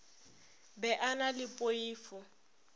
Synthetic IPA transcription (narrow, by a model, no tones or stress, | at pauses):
bɛʔanalɪpʼoiːfʊ